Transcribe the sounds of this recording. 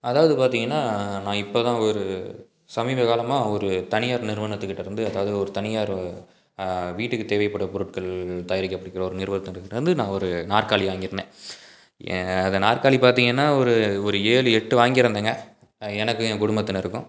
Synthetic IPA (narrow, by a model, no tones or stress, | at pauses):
ɐðaːʋɐðɯpaːɾt̪iːŋɡɐnːaːnãːɪpːoːt̪ãːɔɾɯ | sɐmiːbɐkaːlɐmãːɔɾɯt̪ɐnɪjaːɾnɪɾʋɐnɐt̪ːɯkːɪʈːɐɾɯnd̪ɯɐðaːʋɐðɯɔɾɯt̪ɐnɪjaːɾ | ʋiːʈːɯkːɯt̪eːʋɐɪpːɐɽːɐpɔɾɯʈkɐɭt̪ɐːjɪɾɪkːɐpːɐɽɪkːɪɾɐ̃ɔɾɯnɪɾʋɐðɯt̪ːɐ̃ɾkːʈɐɾɯnd̪ɯnãːɔɾɯnaːrkaːɭiʋaːŋɡɪɾɐnḛ̃ː | ɐðɐnaːrkaːɭipaːɾt̪̬iːŋɡɐnːaːɔɾɯɔɾɯeːlɯɛʈːɯʋaːŋɡɪɾɐnd̪eːŋɡɐ | ɛnɐkːɯkʊɽʊmbɐt̪ːɪnɪɾɯkːʊ̃